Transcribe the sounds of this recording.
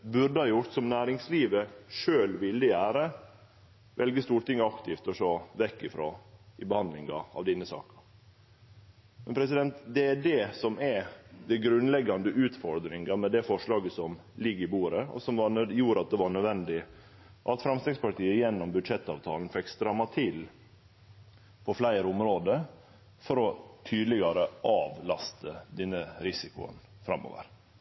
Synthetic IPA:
bʉɾɖəhɑːjʊɾt̪sɔmnæːɾɪŋsliːʋəʂøːlʋɪlːəæːɾə | ʋʔɛlɡəst̪uːɾʈɪŋːɑkt̪ʰɪft̪ɔʂoːʋɛkːɪfɾo̰ːɪbəhɑnd̪lɪŋɑ̰ɑ̰ʋd̪ɛnːəsɑ̰ːkɑ̥ | mɛnpʰɾɛsɪd̪ɛnt̪d̪ɛæɖɛsɔmɛd̪ɛɡɾʉnlɛɡːɑnd̪əʔʉːt̪fɔɾd̪ɾɪŋɡɑmɛd̪ɛfɔʂɭɑːɡəsɔm | lɪɡːəɪbuːɾəɔ̰sɔmʋɑjuːɾɑt̪̚d̪ɛʋɑɳœd̪ʋɛnd̪ɪ | ʔɑt̪fɾɑmst̪ɛɡspɑʈiːəjɛnːɔmbʉd̪ʂɛt̪ːɑ̰ːʋt̪ʰɑ̰ːlnfɛkst̪ɾɑmːɑt̪ʰɪl | pʰɔflæɪɾəʊmɾoːd̪ə | fɔɾɔt̪ʰyːd̪lɪɡɑɾəʔɑːʋlɑst̪əd̪ɛnːəɾɪsɪkʊ̰ə̰n | fɾɑ̰mːo̰ːʋə̰ɾ

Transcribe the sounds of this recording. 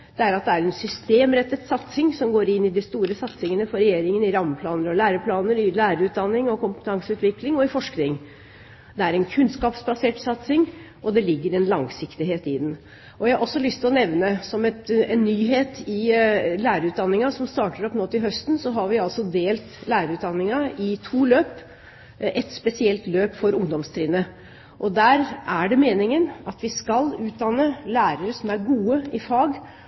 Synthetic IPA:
d̪̥ɛæɾɑt̪̚d̪ɛæɾɛnsʏst̪eːmɾɛt̪ːət̪sɑt̪sɪŋsɔmɡoːɾɪnːɪd̪ɪst̪uːɾəsɑt̪sɪŋənəfɔɾɛjeːɾɪŋənɪɾɑmːəpʰlɑːnəɾɔlæːɾəpʰlɑːnəɾɪlæːɾəʉːt̪̚d̪ɑnːɪŋɔkʊmpə̥t̪ʰɑŋsəʉːt̪ʋɪklɪŋɔɪfɔʂknɪŋ | d̪ɛæɾɛnkʰʉnskɑːpsbɑseːʈsɑt̪sɪŋ | ʔɔd̪ɛlɪɡːəɾɛnlɑŋsɪkt̪ɪɦeːt̪ɪd̪n̩ | ʔɔjæɪhɑʔɔsːɔlʏst̪ʰɪlɔnɛʋnəsɔmɛt̪ɛnːyːɦeːt̪ɪlæːɾəɾʉːt̪̚d̪ɑnːɪŋɑsɔmst̪ɑːʈəɾɔpnoːt̪ɪlɦœst̪nsɔɦɑɾʋɪɑlsɔd̪eːlt̪læːɾəʉːt̪̚d̪ɑnːɪŋɑɪt̪ʰuːløːp | ʔɛt̪spɛsɪɛlt̪løːpfɔɾʊŋd̪ɔmst̪ʰɾiːnə | ʔɔd̪æːɾæɖɛmeːnɪŋənɑt̪ʋɪskɑlʉːt̪̚d̪ɑnːəlæːɾəɾəsɔmæɾɡuːəɪfɑːɡ

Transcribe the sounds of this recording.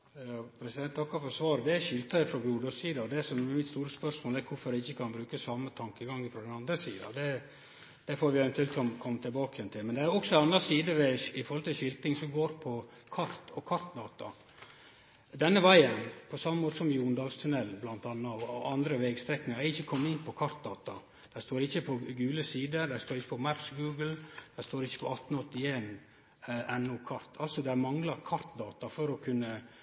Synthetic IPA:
ɑpʰɾɛsɪd̪ɛnt̪ʰːɑkːɑfɔsʋɑːɾəd̪ɛæɾɕʏlt̪ɑfɾɔɡɾuːd̪ɔsiːd̪ɑɔd̪ɛsɔmmɪt̪st̪uːɾəspœɾsmoːlɛæɾkʰʊɾfɔɾd̪ɛɪçːəkʰɑnbɾʉːkəsɑmːət̪ʰɑŋkəɡɑŋːəfɾɔd̪ɛnɑnd̪ɾəsḭːd̪ɑ̰d̪ɛ | d̪̥ɛfoːɾʋɪɛʋɛnt̪ʉɛlt̪kʰɔmkʰɔmːət̪ʰɪlbɑːkəjɛnt̪ʰɪlmɛnd̪ɛæɾɔksɔɑnɑsiːd̪əʋɛɪfɔɾhɔlt̪ɪlɕʏlt̪ɪŋsɔɡoːɾpʰɔ | kʰɑɾt̪ɔkʰɑɾt̪d̪ɑːt̪ɑ̰ | d̪ɛnːəʋæɪənpʰɔsɑmːəmoːt̪əsɔmjuːnd̪ɑːlst̪ʰʉnɛlːblɑnt̪ɑːnːɑɑʋʔɑnd̪ɾəʋɛɡst̪ɾɛkːnɪŋɑæɾɪçːəkʰɔmːəɪnpʰɔkʰɑɾt̪̚d̪ɑːt̪ɑ | d̪̥æɪst̪oːɾɪçːəpʰɔɡʉːləsiːd̪əd̪æɪst̪oːɾɪçːəpɔmæpsɡʉːɡl̩d̪̥æɪst̪oːɾɪçːə̥pʰɔɑt̪ːnɔt̪ːɪeːn | ʔɛnːʊkʰɑɾt̪ʰɑlsɔd̪ɛæmɑŋlɑɾkʰɑɾt̪d̪ɑːt̪ɑfɔɾɔkʰʉnːə

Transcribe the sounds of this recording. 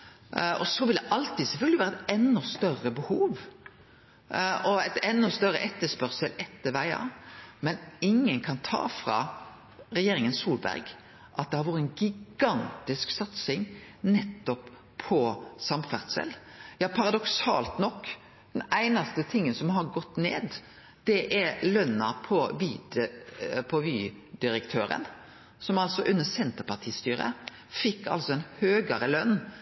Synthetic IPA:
ɔsɔʋɪld̪ɛʔɑlt̪ɪd̪sɛfœlɡ̪lɪʋæːɾɛt̪ɛnːɔst̪œrəbəhuːʋ | ɔɛt̪ɛnːɔst̪œɾəʔɛt̪ːəspœɾsəlɛt̪ːəʋæɪɑ̰mɛnɪŋːənkʰɑnt̪ʰɑ̰ːfɾɑ̰ | ɾɛjeːɾɪŋənsuːlbæ̰ɾɡ | ʔɑt̪̚d̪ɛhɑɾʋɔɾəɛnɡɪɡɑnt̪ɪsksɑt̪sɪŋnɛt̪ːɔpʰː | ɔsɑmfæʁt̪sə̰ljɑːpʰɑɾɑd̪ɔksɑ̰ːlt̪nɔkː | d̪̥ɛnæɪnɑst̪ət̪ʰɪŋːənsɔmhɑɾɡɔt̪ːnḛːd̪ | d̪̥ɛʔæɾlœnːɑpʰɔʋiːd̪ | pʰɔʋyː | d̪ɪɾəkt̪ʰøːɾə̰n | sɔmɑlsɔʔʉnːəsɛnt̪əɾpɑt̪ʰiːst̪yːɾə̰ | fɪkːɑ̰lsɔɛnhøːɡəɾəlœnː

